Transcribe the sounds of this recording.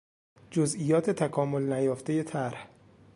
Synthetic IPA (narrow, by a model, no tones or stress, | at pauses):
d͡ʒozʔijɒːt̪ʰet̪ʰækʰɒːmo̞lnæjɒːft̪ejet̪ʰæɾh